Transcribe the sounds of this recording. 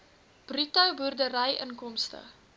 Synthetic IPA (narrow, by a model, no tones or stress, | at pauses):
b̥rytɐwburdəɾɐjəŋkɔmstə̰